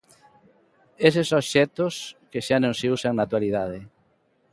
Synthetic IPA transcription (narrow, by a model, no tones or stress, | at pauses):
esesoʃɛt̪oskeʃanõŋseusaŋnat̪waliðaðɪ